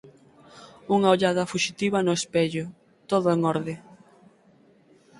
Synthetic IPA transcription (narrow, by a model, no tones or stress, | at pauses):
uŋaoʎaðɐfuʃit̪iβɐnʊespɛʎʊ | t̪oðʊeŋɔɾðɪ